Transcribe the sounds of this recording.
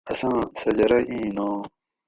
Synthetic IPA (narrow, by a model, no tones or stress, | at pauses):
ɐsãːsɐd͡ʑɐɾɐʔĩːnõː